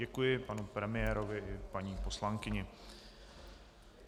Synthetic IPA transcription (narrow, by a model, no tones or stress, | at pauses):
ɛkujɪpanupɾɛmɪjɛːɾo̞vɪʔɪpaɲiːpo̞slaŋkɪɲɛ